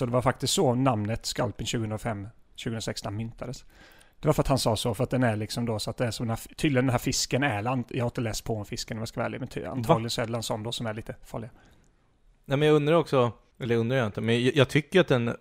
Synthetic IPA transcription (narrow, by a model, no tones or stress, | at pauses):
sɔd̪ɛvaɾfak̚t̪ɪst̪sɔnamnət̪ska̰lpɪnɕʉːɡəhɵnɾafɛmːɕʉɡəɵnɾasɛkst̪ɔnmʏnt̪ʰad̪əs | d̪ɛvaɾfœɾat̪hansɑːsɔfœɾat̪̚d̪ɛnæɭɪksɔmd̪osɔat̪̚d̪ɛæʂɔmd̪ɛnhæːt̪ʰyːd̪lɪɡənɛnɦæɾfɪskənɛːland̪jɑ̰haɾɪnt̪əlɛːspʰɔɔnfɪskənɔmjaskavɛ̰ːljamɛntʰa̰nt̪ʰːɡlɪɡənsɔɛɖɛlansɔnːd̪ɔsɔmæɭiːt̪əfɑ̰ːɭɪɡa | nɛmɛnjɑɵnd̪ɾaɾɔksɔ | ʔɛlːəɾɵnɾajaɪnt̪əmɛnjjɑt̪ʰʏkːəɾat̪̚d̪ɛn